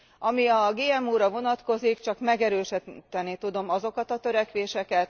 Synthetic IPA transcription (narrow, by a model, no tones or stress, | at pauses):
ɒmiɒɡeːɛmuːɾɒvo̞nɒt̪ko̞zikt͡ʃɒkmɛɡɛɾøːʃit̪ːɛnit̪ud̪o̞mɒzo̞kɒt̪ɒt̪øɾɛkʋeːʃɛkɛt̪